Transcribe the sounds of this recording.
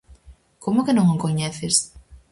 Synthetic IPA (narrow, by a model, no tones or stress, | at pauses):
komʊkenõŋoŋkoɲɛθɪs